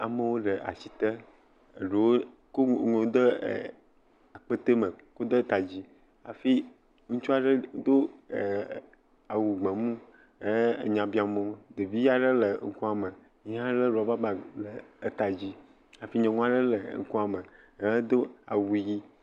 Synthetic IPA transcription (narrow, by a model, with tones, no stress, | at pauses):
a˨mə˦wo˦ɖə˨ʔa̰˨si˨t̪ə˦ | ə˨ɖe˨wo˦ | ko˦ŋõ˨˦d̪ə̰˦˨ | a˨k͡pə˦t̪e˦mə̃˨ko˦d̪ə˦t̪a˨d͡ʑi˦ | a̰˨fi˦ | ŋũ˦t͡ʃu˦a˨ɖə˦d̪o˦˨ | a˨wu˨ɡ͡bə̃˨mũ˦ | ə˦˨ɲã˨bi˦a˨mõ˨˦d̪e˨vi˦ja˦ɖə˦lə˨ŋ̩˦ku˦a˨mə˨ | ɲ˦ã˦ɖə˦ɖɔ˨a˨ba˦ba˨lə˨˦t̪a˨d͡ʑi˦ | a˨fi˦ɲɛ̃˨ŋũ˦a˨ɖə˦lə̰˨ŋ̩̰˨ku˦a˨mə˨˦ | d̪o˦a̰˨wu˨ji˦